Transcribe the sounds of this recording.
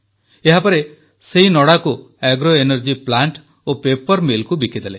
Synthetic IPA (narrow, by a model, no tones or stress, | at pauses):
eɦapɔɾe | seɦinɔɽaku | ɛɡɾoenɔɾd͡ʒiplaɳʈ | opepɔɾmilkubikʰid̪ele